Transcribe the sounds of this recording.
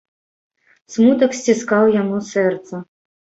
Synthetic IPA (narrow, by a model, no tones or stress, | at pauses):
smut̪ɐksʲt͡sʲiskawjanusɛrt̪sɐ